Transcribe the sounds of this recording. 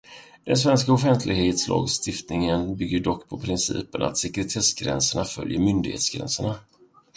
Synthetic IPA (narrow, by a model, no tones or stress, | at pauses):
d̪̥ɛns̬vɛnskaʊfɛnt̪ʰlɪɡheːt̪slɑ̰ːɡst̪ɪft̪nɪŋənbʏɡːəɖɔkːpʰɔpʰɾɪnsḭːpənʔa̰t̪sɛkɾɛt̪ʰɛsɡɾɛ̰nsəɳafœ̰ljəɾmʏnd̪ɪɡhḛːt̪sɡɾɛ̰nsəɳa